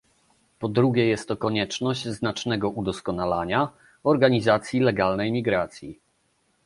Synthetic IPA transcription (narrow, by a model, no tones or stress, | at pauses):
pɔd̪ɾuɡʲɛjɛst̪ːɔkɔɲɛt͡ʂnɔʑd͡ʑznat͡ʂnɛɡɔʔud̪ɔskɔnalaɲa | ɔɾɡaɲizat̪sʲjilɛɡalnɛjmʲiɡɾat̪sʲji